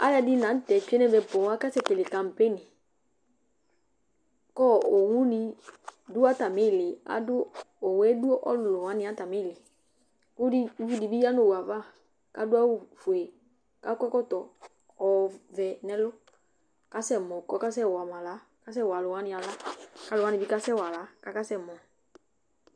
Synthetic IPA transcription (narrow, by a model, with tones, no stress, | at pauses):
a˦ja˨dɪ˦nã˨˦tɛ˨t͡ʃu˦ɛ˦nɛ̃˦vɛ˨pɔ˨wa˦ka˦sɛ˦˨ke˨lɪ˨ka˨m̩˨pe˦nɪ˨ | kɔ˦˨o˨wu˦nɪ˧dʊ˦a˦ta˨mɪ˦˨lɪ˨a̰˨dʊ˦o˨wɛ˦du˦ʔɔ̰˦lʊ˨lʊ˨wã˦nɪ̃˨˦a˦ta˨mɪ˦˨lɪ˨˦ | fu˦di˨bi˦ja˦no˨wa˨va˦˨ | ka˦dʊ˦a˦wu˨fu˨e˨ | ka˦kɔ˦kɔ˦tɔ˨ | ɔ˨vɛ˨nɛ˦lʊ˦ | ka˦sɛ˦˨mɔ˨kɔ˦ka˦s̬ɛ˦˨wa˨mã˨la˨˦ | ka˦s̬ɛ˦˨wa˨lʊ˨wa˨˦nɪ˨a˨la˦ka˨˦lʊ˨a˨˦nɪ̃˨bi˦ka˦sɛ˦wa˨la˨˦ka˦ka˦sɛ˦˨mɔ˨